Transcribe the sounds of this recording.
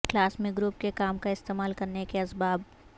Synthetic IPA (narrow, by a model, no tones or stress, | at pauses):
klaːsmẽɡɾʊp̚kekaːmkaɪst̪eːmaːlkɐɾnekeɐsbaːb̚